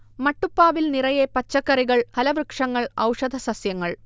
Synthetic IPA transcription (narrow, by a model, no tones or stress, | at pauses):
mɐʈːupːaːʋilnirɐjepɐt͡ɕːɐkːɐriɣɐɭhɐlɐʋrɨkʂɐŋːɐɭɐ̰wʂɐd̪ʱɐsɐsjɐŋːɐɭ